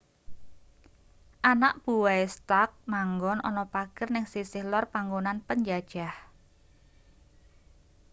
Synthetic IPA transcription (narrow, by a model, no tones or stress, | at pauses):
ʔanaʔb̥uwaest̪ak̚maŋɡɔnɔ̰nɔpaɡ̥ərnɪŋsisɪhlɔrpaŋɡonanpəɲd͡ʒad̥ʒ̥ah